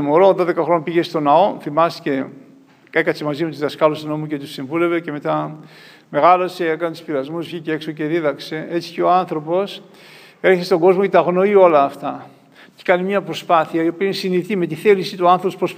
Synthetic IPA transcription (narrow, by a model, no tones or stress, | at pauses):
moɾo̞ðo̞ðe̞kɐxɾo̞nɐpiʝe̞st̪o̞nɐo̞θimɐst̪i̥ce | ekɐt̪semɐzimet̪uzðɐskɐlosnomuce̞t̪usiɱvule̞vece̞me̞t̪ɐ | me̞ɣɐloseekɐnet̪u̥spiɾɐzmusvçiceeksoce̞ðiðɐkse̞e̞t͡si̥ceoanθɾo̞po̞s | eɾçest̪oŋɡo̞zmo̞cet̪ɐɣno̞io̞lɐːft̪ɐ | ce̥kɐnimɲɐpɾo̞spɐθiɐio̞piinsiniðit̪ime̞t̪iθe̞lisit̪uɐnθɾopopɾos